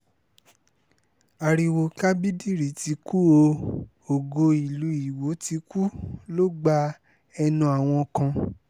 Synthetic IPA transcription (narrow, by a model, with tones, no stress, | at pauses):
a˨ɾi˧wo˧ka˦bi˦di˦˨ɾi˨˦ti˧ku˦o˧ | o˨ɡo˧i˨lu˨˧˦i˨wo˨˦ti˧ku˦lo˦ɡ͡ba˧˦ | ɛ˧nũ˧˦a˨w̃ɔ̃˧kã˧